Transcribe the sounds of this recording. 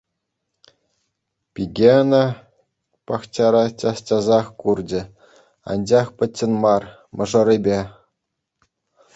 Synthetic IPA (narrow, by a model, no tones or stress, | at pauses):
pʲiɡʲenɑ | pɑχt͡ɕɑɾɑt͡ɕʲɑstʲɑzɑχkurd͡ʑɘ̆ | ɑ̰nʲd͡ʑɑχpʲɘ̆tʲːɘ̆nmɑr | mʔɤ̆ʐɤ̆ɾɘ̆bʲe